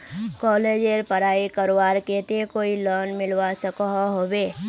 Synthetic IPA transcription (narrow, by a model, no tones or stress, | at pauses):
kɔːled͡ʒeɾpəɾaːikəɾwaːɾket̪ekoːilɔːnmɪlwasəkɔɦɦoːbeː